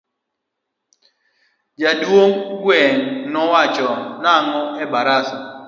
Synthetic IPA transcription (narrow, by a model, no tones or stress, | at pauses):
d͡ʒadwoŋɡwɛŋnɔwat͡ʃɔnaŋɔɛbaɾasa